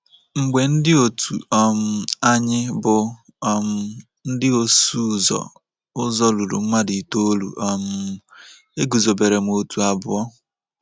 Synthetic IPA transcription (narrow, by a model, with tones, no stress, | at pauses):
ŋ͡m̩˨ɡ͡be˨n̩˦dɪ˦o˦˨tʰṵ˨ɔ˦m̩˦a˦ɲɪ˦bʊ˨˦˨ | m | n̩˦dɪ˦o˨su˦˨zɔ̰˨ | ʊ˦zɔ˦lu˨ɾṵ˨ŋ͡m̩˦ma˦di˨to˦o˦lṵ˨ʔɔ˨m̩˦ | e˦ɡu˨zo˨be˨ɾe˨m̩˨o˨tu˨a˨bʊ˨ɔ˦